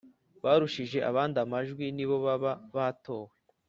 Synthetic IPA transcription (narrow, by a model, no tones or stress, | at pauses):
βaːɾuʃiʒe̞ʔa̰βaːndamaʒɡwiniβo̞βaβaβato̞ːwe